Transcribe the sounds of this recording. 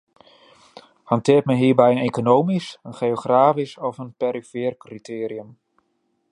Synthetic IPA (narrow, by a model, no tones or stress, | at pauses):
hɑntɪət̚mɛnɦiːrbɛjənekonowmisənχejoχraːfisɔfənpeɾifɪːrkritʰeːɾiəm